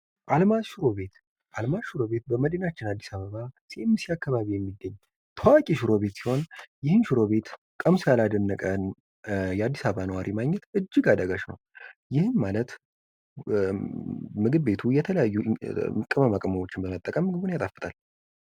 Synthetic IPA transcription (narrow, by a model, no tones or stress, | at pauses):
ʔalmaʃɪɾo̞βe̞t̪ | ʔalmaʃɪɾo̞βe̞t̪̚bəməd̪ənat͡ʃːɪnad̪ːisaβəβasiemːɨsiakːaβaβijɛmːid̪ːəɲː | t̪ʰəwakʼiʃɨɾo̞βe̞t̪si̥ho̞njɪhɨnʃɪɾo̞βe̞t̪ | kʼəmsjalad̪ənːəkʼən | jɛad̪ːisaββanəwaɾʔimaɡɲɛt̪ʔɨd͡ʒːɪɡad̪əɡaʃnə̰wjɪhɨnmalət̪ | mɨɡɨdbe̞t̪ʰujɛt̪ʰələjajːukʼɨməmakʼəməwo̞t͡ʃːɪnbəmət̪ʼːəkʼəmːɨɡɨbunjat̪ʼafɨt̪ʰal